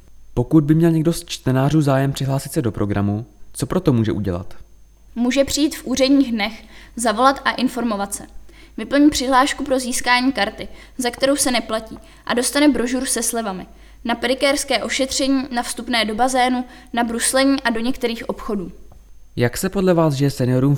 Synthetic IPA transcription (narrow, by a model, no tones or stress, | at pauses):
po̞kud̪̚bɪmɲɛlɲɛɡdo̞st͡ʃt̪ɛnaːr̝uːzaːjɛmpr̥ɪɦlaːsɪt̪sɛdo̞pɾo̞ɡɾa̰mut͡so̞pɾo̞t̪o̞muːʒɛ̰ʔuɟɛla̰t̪ | muːʒɛpr̝̥ɪjiːt̪fʔuːr̝ɛdɲiːɣdnɛxzavo̞lat̪ʔaʔɪnfo̞ɾmo̞vat̪sɛ | vɪpl̩ɲipr̝̥ɪɦlaːʃkupɾo̞ziːskaːɲiːkaɾt̪ɪ | zakt̪ɛɾo̞wsɛnɛplaciː | ʔa̰do̞st̪anɛbɾo̞ʒuɾsɛslɛvamɪ | napɾɪkɛːɾskɛːʔo̞ʃɛt̪r̝̥ɛɲiːnafst̪upnɛːdo̞bazɛːnu | nabɾuslɛɲiːʔado̞ɲɛkt̪ɛɾiːxʔo̞pxo̞duː | jaksɛpodlɛvaːzʒɛjɛsɛnɪo̞ɾuːm